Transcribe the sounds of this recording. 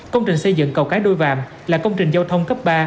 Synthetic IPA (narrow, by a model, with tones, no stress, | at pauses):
kə˧wŋ͡mt͡ɕï˨˩ŋ̟sə˧jzɨ̰˧˨ŋkə˨˩wkaː˨˦jɗo˧jva̰ː˧˨m | laː˨˩kə˧wŋ͡mt͡ɕï˨˩ŋ̟zaː˧wt̪ʰə˧wŋ͡mkə˦˥p̚ɓaː˧